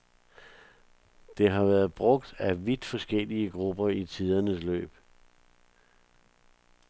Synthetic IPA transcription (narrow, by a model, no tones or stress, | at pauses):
d̥e̝ɦɑ̈ʋæːɐð̞̩ˠb̥ʁɔ̽ɡ̥d̥æʋid̥fɒ̽sɡ̥el̰iəɡ̥ʁub̥ɐit͡sʰiðˠɐnəslø̰ːb̥